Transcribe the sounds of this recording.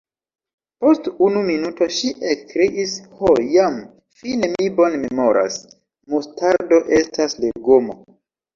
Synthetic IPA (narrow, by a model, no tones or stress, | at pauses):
po̞stunuminuto̞ʃiʔekːɾeʔishojam | fine̞mibo̞nme̞mo̞ɾʔa̰s | mustaɾdo̞ʔe̞stasleɡomo̰